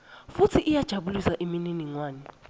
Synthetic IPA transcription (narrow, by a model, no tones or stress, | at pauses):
futʰiʔijad̥ʒ̥ʱaɓulisaʔimininiŋwaːni